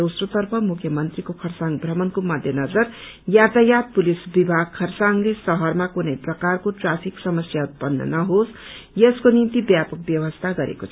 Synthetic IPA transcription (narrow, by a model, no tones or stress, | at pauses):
usrot̪ʌrpʰʌmukʰjʌmʌnt̪rikokʰʌrsaŋbʱrʌmʌnkomʌd̪ʱjʌnʌd͡zʌr | jat̪ajat̪̚pulisbibʱaɡ̚kʰːʌrsaŋlesʌɦʌrmakunʌjprʌkarkoʈrapʰiksʌmʌsjaut̪̚pʌnːʌ̰nʌɦosjeskonint̪ibjapʌk̚bjʌwʌst̪ʰaɡʌɾḛkot͡sʰʌ